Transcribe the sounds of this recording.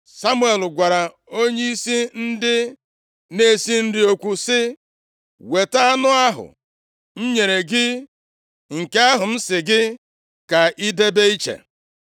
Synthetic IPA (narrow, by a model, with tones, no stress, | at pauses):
sa˦mu˦e˨lɡʷa˨ɾa˨ | o˦ɲe˦i˦si˦n̩˦dɪ˦ | ne˦˨si˦n̩˦dɪ˦o˦kʷu˨sɪ˦ | we˨ta˦a˦nʊ˦a˦ɦʊ̰˨ | m̩˦ɲe˨ɾe˨ɡɪ˦ | ŋ̩˨ke˦a˦ɦʊ˨n̩˦sɪ˨ɡɪ˦ | ka˨ʔi˦de˦be˦i˦t͡ʃḛ˨